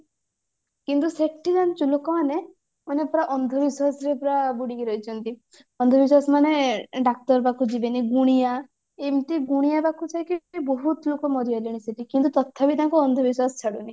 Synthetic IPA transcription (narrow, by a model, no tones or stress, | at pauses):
kint̪usekʈid͡ʒant͡ʃulokɔmane | ɔnepɾaʔɔnd̪ʱɔbiswasɾepɾabuɽikiɾɔjt͡ʃʰɔnt̪i | ɔnd̪ʱɔbiswasɔmaneɖak̚ʈɔɾbakud͡ʒibeniɡuɽ̃ija | emt̪iɡuɽ̃ijabakut͡ʃʰajkibɔɦut̪lokɔmɔɾiɔliɽ̃iseʈikint̪ut̪ɔt̪ʰːabit̪aŋkɔɔnd̪ʱɔbiswasɔ̥t͡ʃʰaɽuni